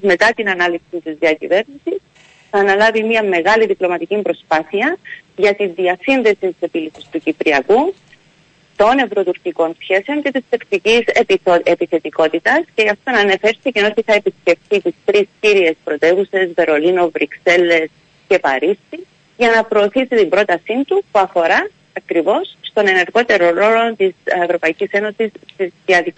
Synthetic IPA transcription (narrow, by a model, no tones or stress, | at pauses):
zme̞t̪ɐt̪inɐnɐlipsint̪izðiɐcḭve̞ɾnisis | θɐːnɐlɐvimiɐme̞ɣɐliðiplo̞mɐt̪icimbɾo̞spɐθiɐʝɐt̪inðiɐsinðe̞sint̪ise̞pilisist̪ucipɾiɐku | t̪o̞ne̞vɾo̞t̪uɾciko̞nsçe̞se̞o̞ɲce̞t̪ist̪ekt̪icisoepiθe̞t̪iko̞t̪it̪ɐsce̞ʝɐft̪o̞nɐne̞fe̞ɾsiecino̞siθɐepisce̞ft̪it̪ist̪ɾisciɾie̞spɾo̞t̪e̞vuse̞zve̞ɾo̞lino̞vɾʔikse̞lːe̞s | ce̞pɐɾisi | ʝɐnɐpɾo̞ːθisit̪imbɾo̞t̪ɐsint̪upuɐfo̞ɾɐː | kɾivo̞sːt̪o̞ne̞ne̞ɾɣo̞t̪e̞ɾo̞ɾo̞lo̞nt̪isevɾo̞pɐicise̞no̞sist̪izðiɐði